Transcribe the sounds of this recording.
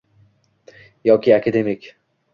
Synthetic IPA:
jɒkʲʰiakʰad̪emɪkʲ

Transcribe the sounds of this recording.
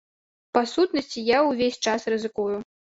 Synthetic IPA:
pasut̪nɐsʲt͡sʲijawvʲesʲt͡ʂasrɨzɨkuju

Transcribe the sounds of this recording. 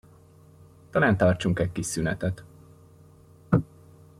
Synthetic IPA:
t̪ɒlaːnt̪ɒrt͡ʃuŋkɛkːiʃsynɛt̪ɛt̪

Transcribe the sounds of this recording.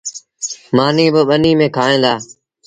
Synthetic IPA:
maːniːɓəɓəniːmẽːkʰaːɦẽːd̪aː

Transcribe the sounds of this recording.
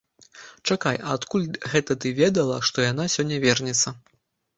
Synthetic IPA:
t͡ʂakajɐːt̪kulʲɣɛt̪ɐt̪ɨvʲɛd̪ɐlˠɐʂt̪ɔjanasʲɔnʲːɐvʲɛrnʲɛt̪sːɐ

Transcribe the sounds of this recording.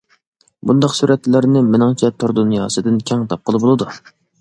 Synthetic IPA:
bund̪ɑqsuɾʔɛt̪llæɾnɪmɪnɪŋt͡ʃʰɛt̪ʰoɾd̪unjɑːsɨd̪ɪnkʲʰɛŋt̪ʰɑp̚qʰəlˠɨbolˠɨd̪u

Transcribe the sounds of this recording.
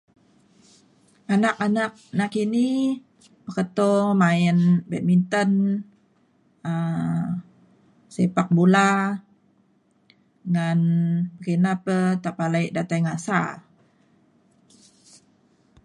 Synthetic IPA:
ʔanakanak̚nakini | pəkət̪omaɪnbɛt̪̚mint̪ən | ə | sepak̚bula | ŋanpəkinapət̪apalaiʔdat̪ajŋasa̰

